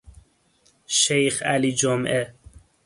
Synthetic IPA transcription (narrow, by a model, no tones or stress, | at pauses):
ʃejxæliːd͡ʒomʔe